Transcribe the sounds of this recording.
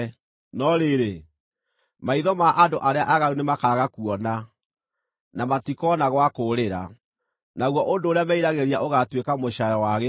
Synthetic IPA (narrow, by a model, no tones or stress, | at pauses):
nɔɾeɾe | maiðɔmaʔandoʔaɾeaʔaɣaɾunemakaɣakuɔna | namatikɔnaɣwakoɾeɾa | naɣwɔʔondoːɾeamɛiɾaɣeɾiaʔoɣatwekamoɕajɔwaɣe